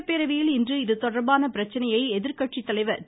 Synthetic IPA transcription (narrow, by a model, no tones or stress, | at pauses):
pːeːɾɐʋɪjɪlɪndrɯɪðɯt̪ɔɽɐɾbaːnɐpɪɾɐt͡ʃːɐnɐjɐɪɛðɪɾkɐʈt͡ʃit̪ːɐlɐɪʋɐ